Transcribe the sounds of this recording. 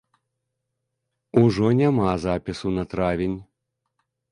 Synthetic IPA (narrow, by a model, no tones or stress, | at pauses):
uʐɔnʲamazapʲisunɐt̪ɾavʲenʲ